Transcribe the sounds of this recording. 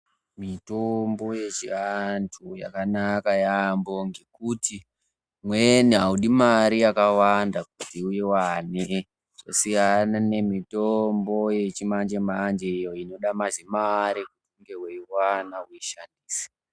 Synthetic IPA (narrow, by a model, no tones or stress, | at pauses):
mitombo̞je̞t͡ʃiantʰuja̰kanakajamboŋɡekuti | mweniɦauɗimaɾijakawandak̚utiujewane | ʐ̥o̰sijanane̞mitombo̞je̞t͡ʃimand͡ʒemaːnd͡ʒeijo̞ino̞ɗamazimaɾikutuŋɡeweiwanauiʃandiːsi̥